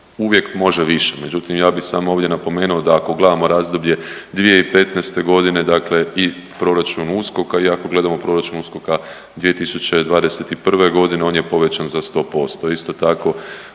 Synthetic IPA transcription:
uʋje̞kmo̞ʒeʋiʃeme̞d͡ʒut̪imjaːbixsaːmo̞ːʋdje̞napo̞me̞ːnuod̪aːko̞ɡle̞d̪amo̞ɾaːzd̪o̞bʎe̞d̪ʋijeipe̞t̪nɛːst̪e̞ɡo̞d̪ine̞d̪akle̞i | pɾo̞ɾat͡ʃunusko̞kaiako̞ɡle̞d̪amo̞pɾo̞ɾat͡ʃunusko̞ka | d̪ʋije̞t̪isut͡ɕe̞d̪ʋaːd̪eset̪ipr̩ʋe̞ɡo̞d̪ine̞o̞ːnjepo̞ʋe̞t͡ɕanzast̪o̞ːpo̞st̪o̞ist̪o̞t̪ako̞

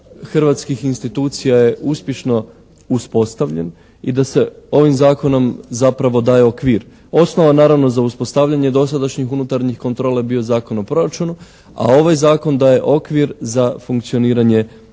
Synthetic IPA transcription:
xr̩ʋat̪skixinst̪it̪uːt̪sijaje̞ʔuspje̞ʃno̞ | uspo̞st̪aʋʎḛn | id̪ase̞o̞ʋimzaːko̞no̞mzapɾaʋo̞d̪aːje̞okʋiːɾ | o̞sno̞ʋanaːɾaʋno̞zauspo̞st̪aʋʎaɲe̞d̪o̞sad̪aʃɲixunut̪aɾɲixko̞nt̪ɾo̞ːlabio̞zaːko̞nopɾo̞ɾat͡ʃunu | a̰o̞ʋajzaːko̞nd̪aːje̞ʔo̞kʋiɾzafuŋkt̪sio̞niːɾaɲe

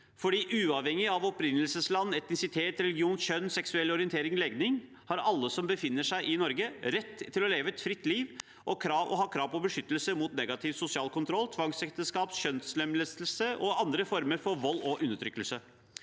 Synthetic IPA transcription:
fɔɖiːʔʉːɑʋhɛŋːɪɑʋɔpɾɪnːəlsəslɑnːɛt̪nɪsɪt̪ʰeːt̪ɾɛlɪɡɪuːnɕœnːsɛksʉɛlːɔɾɪənt̪ʰeːɾɪŋlɛɡnɪŋ | hɑɾɑlːəsɔmbəfɪnːəʂæɪʔɪnɔɾɡəɾɛt̪ʰːɪlɔleːʋəɛt̪fɾɪt̪ːliːʋ | ʔɔkʰɾɑːʋɔ̰ɦɑːkʰɾɑːʋpɔbəʂʏt̪ːəlsəmuːt̪nɛɡɑt̪ʰɪʋsʊsɪɑːlkʊnt̪ʰɾɔlːt̪ʰʋɑŋsɛkt̪əskɑːpɕœnslɛmləsəl̩səʔɔɑnd̪ɾəfɔɾməɾfɔɾʋɔlːɔʔʉnːəʈʰɾʏkːəlsə

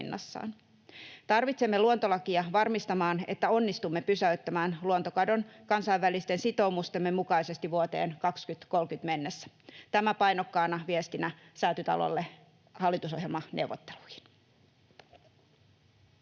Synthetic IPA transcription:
nːɑ̰sːɑ̰ːn | t̪ɑrʋit̪semːeluont̪olɑkiɑʋɑrmist̪ɑmɑːne̞t̪ːæo̞nːist̪umːepysæyt̪ːæmæːnluont̪okɑdo̞nkɑnsɑiʋʋælist̪e̞nsit̪o̞umust̪e̞mːemukɑise̞st̪iʋuot̪e̞̰ːnkɑkskyt̪ko̞lkyt̪me̞nːesːæ̥ | t̪æmæpɑjnokːɑːnɑʋiest̪inæsæːt̪yt̪ɑ̰lo̰lːe | hɑlːit̪uso̞hɦjelmɑnʔeuwʋːˑot̪ːeluhi̥n

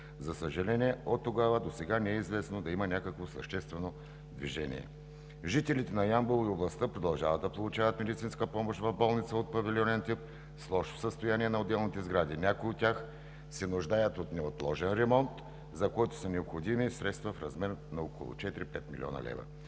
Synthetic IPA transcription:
zɐsəʒɐlɛniɛot̪ːoɡavəd̪osɛɡanɛɛizvɛsnod̪ɐimɐnʲakəkvosə̰ʃt̪ɛst̪vɛno | d̪vḭʒɛnʲḭɛ̰ | ʒit̪ɛlit̪ɛnɐjambolˠioblˠɐst̪əpɾod̪ɐlˠʒavɐt̪d̪ɐpolˠʊt͡ʃavɐt̪mɛd̪it̪sinskəpɔmoʃt̪vɐvbɔlˠnit̪səot̪̚pɐviliɔnɛnt̪ip̚ | slˠɔʃo̥səst̪ojaniɛnɐod̪ːɛlˠnit̪ɛzɡɾad̪inʲakoiot̪ʲːax | sɛnʊʒd̪ajət̪ot̪nɛot̪lˠɔʒɛnɾɛmɔnt̪ | zɐkɔjt̪o̥sɐnɛopxod̪imisɾɛt̪st̪vɐfɾɐzmɛɾnɐoko̰lˠo̰t͡ʃɛt̪iɾipɛt̪milḭɔ̰nɐ̰lɛ̰və̰

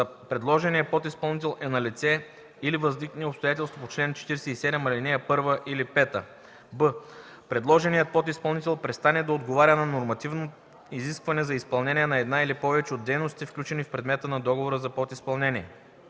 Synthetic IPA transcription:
pɾɛd̪lˠɔʒɛniəpɔt̪ispɐlˠnit̪ɛlˠʔɛnɐlit̪sɛ | ilivɐznikniopst̪ojat̪ɛlˠst̪vopot͡ʃlɛnt͡ʃɛ̥t̪iɾɛsɛisɛd̪ɛmɐlinɛjɐpɤɾvəʔilipɛt̪ə | bə | pɾɛd̪lˠɔʒɛnijət̪̚pɔt̪ispɐlˠnit̪ɛlˠpɾɛst̪anɛd̪ɐod̪ɡovaɾʲənɐnoɾmɐt̪ivno | iziskvɐnɛzɐispɐlˠnɛniɛnɐɛd̪nailipɔvɛt͡ʃɛod̪ːɛjnost̪t̪ifklʲut͡ʃɛnifpɾɛd̪mɛt̪ənɐd̪ɔɡovoɾəzɐpɔt̪ispɐlˠnɛniɛ

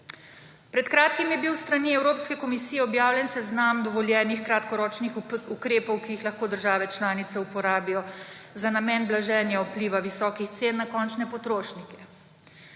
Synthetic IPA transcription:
pɾɛt̪kɾaːt̪kimjɛbiwst̪ɾaniɛwɾoːpskɛkɔmisiːjɛɔbjaːwljɛnsɛznamd̪ɔʋɔljɛːnixkɾat̪kɔɾɔːt͡ʃnixukɾeːpɔwkijixlɐxkoːd̪əɾʒaːʋɛt͡ʃlaːnit̪sɛupɔɾaːbijɔzanamɛːnblaʒɛːnjaɔpliːʋaʋisɔːkixt̪seːnːakɔːnt͡ʃnɛpɔt̪ɾoːʃnikɛ̥

